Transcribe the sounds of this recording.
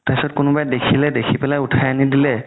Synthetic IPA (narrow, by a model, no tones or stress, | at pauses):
taisɔt̚kʊnʊbajdekʰilɛdekʰipɛlajʊtʰajanidilɛ